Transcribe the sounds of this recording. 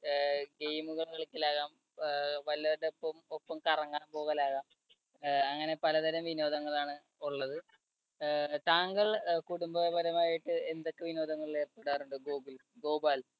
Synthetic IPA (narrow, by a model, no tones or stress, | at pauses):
ɡe̞jmuɣɐɭkeɭɐkʲːɐlaːɣaːm | ʋɐlːɐɾeopːɐmopːɐmkɐrɐŋːaːmboːɣɐlaːɣaːm | ɐŋːɐne̞pɐlɐd̪ɐɾɐmʋino̞ːd̪ɐŋːɐɭaːɳɨ | uɭːɐðɨ | t̪aːŋɡɐɭkuɽumbɐbɐɾɐmaːjiʈːɨe̞nd̪o̞kːeʋino̞ːd̪ɐŋːɐɭleːrpːeɽaːruɳɖɨɡoːɡilɡoːbaːl